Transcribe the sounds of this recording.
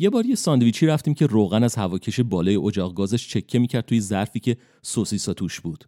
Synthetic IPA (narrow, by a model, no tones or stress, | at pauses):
je̞bɒːɾjesɒnd̪viːt͡ʃʰiːɾæft̪iːmcʰe̞roːɣænæzhævɒːcʰeʃe̞bɒːlɒːje̞ʔod͡ʒɒːɣɡɒːzæʃt͡ʃʰe̞cʰːe̞miːcʰæɾdt̪̚t̪ʰuːje̞zæɾfiːce̞ | sosisɒt̪ʰuʃb̥uːd̪̥